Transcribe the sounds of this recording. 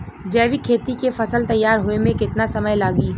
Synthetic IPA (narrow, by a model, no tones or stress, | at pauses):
d͡ʒɛːʋikʰeːt̪ikefɐsəlt̪ɐjːaːɾɦʊemẽkɪt̪nasɐməjlaːɡiː